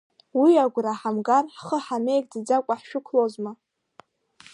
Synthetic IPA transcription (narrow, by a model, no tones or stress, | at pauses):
wiaɡʷraħamɡarħχəħame̞jkʼdɨd͡zakʷʼaħʃᶣʊkʷʰlozma